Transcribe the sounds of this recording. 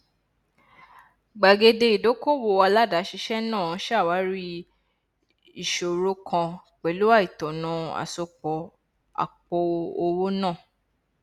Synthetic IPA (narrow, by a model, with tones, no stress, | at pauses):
ɡ͡ba˨ɡe˧de˧i˨do˨˦ko˦˨wo˧˨wa˧la˦˨da˨˦ʃi˧ʃɛ˦nãː˦˨˦ʃa˦˨wa˨˦ɾi˦ | i˨ʃo˨ɾo˧kʰã˧ | k͡pɛ˨lu˦a˦˨i˨tɔ̃˨nɔ̃˨˧˦a̰˨so˧k͡pɔ˨ | a̰˨k͡pɔ˧o˧wo˦nã˦˨